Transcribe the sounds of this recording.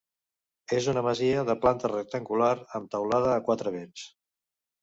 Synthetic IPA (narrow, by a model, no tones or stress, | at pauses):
ezunəməziəðəplant̪ərək̚t̪əŋɡulaɾəmt̪əwlað̞əːkwat̪ɾəβens